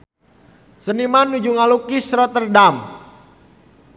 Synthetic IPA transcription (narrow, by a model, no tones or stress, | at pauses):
sənimanːud͡ʒuŋalukisɾɔt̪ərdam